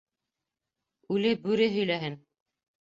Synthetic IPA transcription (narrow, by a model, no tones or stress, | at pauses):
ʉlɘbʉɾɘɦɵ̆jlæɦɘn